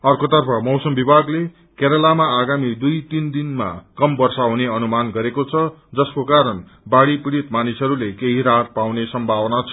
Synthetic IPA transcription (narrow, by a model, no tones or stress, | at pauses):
ʌrkot̪ʌrpʰʌmʌwsʌmbibʱaɡle | keɾʌlamaːɡamid̪ujt̪ind̪inma̰kʌmbʌrsaɦuneʌnumanɡʌɾekot͡sʰʌd͡zʌskokaɾʌn | baɽipiɽit̪manisɦʌɾulekeɦiɾat̪̚pawnesʌmbʱabʌnat͡sʰʌ